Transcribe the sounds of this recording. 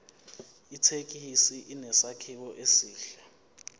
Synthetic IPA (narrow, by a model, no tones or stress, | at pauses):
itʰek̬ʼisiʔinɛsakʰiɓɔʔesiːɬɛ